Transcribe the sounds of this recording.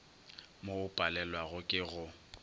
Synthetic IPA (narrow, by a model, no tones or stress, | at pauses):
moʊpʼalɛlwaɣʊkʼɪɣʊ